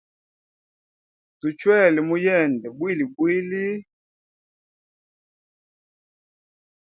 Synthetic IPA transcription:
tu˨t͡ʃwɛ˦˨li˨mu˦jɛ˦˨ndɛ˨bwi˦˨li˨bwi˦li˦

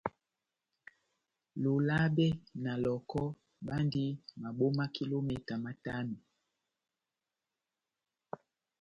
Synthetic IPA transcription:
lo˨la˦bɛ˦na˨lɔ˨kɔ˦ | ɓa˦ndi˦ma˨ɓo˦ma˦ki˦lo˦mɛ˨ta˨ma˨ta˦mi˨

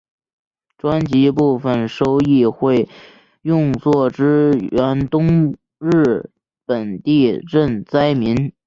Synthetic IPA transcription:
ʈ͡ʂwa˥nt͡ɕi˧˥p̬u˥˧fə˩nʂo˥ʊi˥˧xwe˥˧ɪ | jʊ˥˧ŋt͡swɔ˥˩ʈ͡ʂɻ̩˥ɥɛ˧˥nt̪ʊ˥ŋ | ɻɻ̩˥˩ | pə˨˩nt̪i˥˧ʈ͡ʂə˥˩nt͡sa˥ɪmi˧˥n

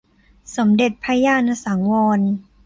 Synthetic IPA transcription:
so˩˦mde˨˩t̪̚pʰa˧jaː˧˥˨nʔa˧saː˩˦ŋwɔː˧n

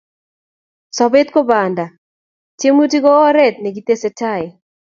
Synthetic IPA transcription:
sɔ˨be˦t̪ko˦ba˨nda˨ | tje˦mu˦ti˦ɡɔ˦ɔ˦ɾɛ˦t̪̚ne˨ɡi˦t̪e˦se˦ta˦˨ɪ˨

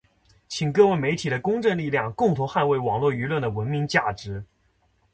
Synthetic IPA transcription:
t͡ɕʰi˨˩ŋkɤ˥˧we˥˩me˧˥ɪt̪ʰi˨˩ɾə˦kʊ˥ŋʈ͡ʂɤ˥˧ŋli˥˧ljɑ˥˧ŋkʊ˥˩ŋt̪ʰʊ˧˥ŋxa˥˧nwe˥˩ɪwɑ˨˩ŋlwɔ˥˩y˧˥lwə˥˩nd̪ə˩wə˧˥nmi˧˥ŋt͡ɕja˥˩ʈ͡ʂɻ̩˧˥

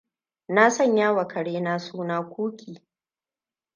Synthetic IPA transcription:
na˦sɐ˦˨ɲjaː˦wɐ˨kʰɐ˨ɽeː˦naː˦suː˦naː˦kʷuː˦kʲiː˨

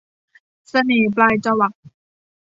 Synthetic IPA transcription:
sa˧neː˩˦plaː˧jt͡ɕa˧wa˨˩k̚

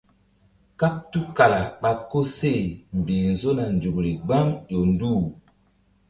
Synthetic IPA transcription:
ka˦p̚tu˦ka˨la˨ɓa˨ko˦se˦˨m̩˨bi˨n̩˨zo˦na˨n˨d͡ʒu˨kɾi˨ɡ͡ba˦ŋjo˨n˦du˦˨

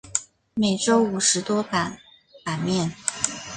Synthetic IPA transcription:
me˨˩ɪʈ͡ʂo˥ʊu˨˩ʂɻ̩˧˥t̪wɔ˥pa˨˩n | pa˨˩nmjɛ˥˩n

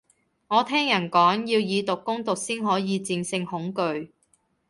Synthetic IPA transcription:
ŋɔː˨˧t̪ʰɛː˥ŋjɐ˨˩nkɔː˨˥ŋjiː˧wjiː˨˧t̪ʊ˨kːʊ˥ŋt̪ʊ˨k̚siː˥nɦɔː˨˥jiː˨˧t͡si˧ŋsɪ˧ŋhʊ˨˥ŋkɵ˧ɥ

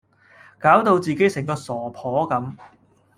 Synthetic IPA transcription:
kaː˨˥wt̪o˧wt͡siː˨˩ke˨˥jsɪ˨˩ŋkɔː˧sɔː˨˩pʰɔː˨˥kɐ˨˥m

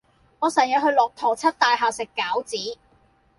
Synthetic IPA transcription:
ŋɔː˨˧sɐ˨˩njɐ˨˧ɦɵ˧ɥlɔː˨k̚t̪ʰɔː˨˩t͡sʰɐ˥t̚t̪aː˨jɦaː˨sɪ˨kːaː˨˥wt͡siː˨˥

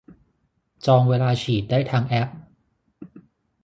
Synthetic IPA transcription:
t͡ɕɔː˧ŋweː˧laː˧t͡ɕʰiː˨˩t̪̚daː˥˩jt̪ʰaː˧ŋʔɛ˦˥p̚

